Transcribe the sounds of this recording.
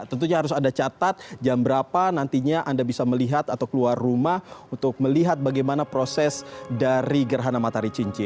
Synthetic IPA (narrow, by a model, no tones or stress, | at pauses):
t̪ənt̪uɲaɦaɾʊsandat͡ʃat̪at̪̚d͡ʒambəɾapanant̪iɲaʔandabisaməliɦat̪at̪awkəluarːumahunt̪ʊk̚məliɦat̪̚baɡajmanapɾosɛsdaɾiɡərɦanamat̪aɾit͡ʃiɲt͡ʃɪ